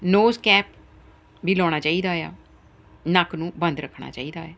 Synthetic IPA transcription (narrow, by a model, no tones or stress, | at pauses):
noːskɛːp̚ | biːlɔːɽ̃aːt͡ʃaːiːd̪aːja̰ː | nakʰnũːbənd̪ɾəkʰːɳa̰ːt͡ʃa̰ːiːd̪a̰ːɛː